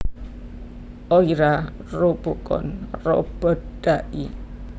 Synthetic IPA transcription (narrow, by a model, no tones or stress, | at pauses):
ʔoiɾa | rob̥okɔ̰nrɔ̰b̥əd̥aʔḭ